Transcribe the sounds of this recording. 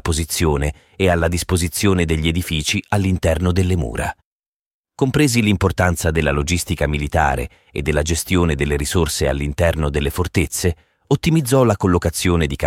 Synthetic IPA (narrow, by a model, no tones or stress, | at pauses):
pozit̪sːjoːneː | alːad̪ispozit̪sːjoːned̪eʎːied̪ifiːt͡ʃialːint̪ɛrnod̪elːemṵːɾa̰ | kompɾeːzilimport̪ant̪sad̪elːalod͡ʒist̪ikamilit̪a̰ːɾḛ | ed̪ːelːad͡ʒest̪joːned̪elːeɾisorsea̰lːint̪ɛrnod̪elːefort̪et̪sːe | ot̪ːimid̪zːɔlakolːokat̪sːjoːned̪ika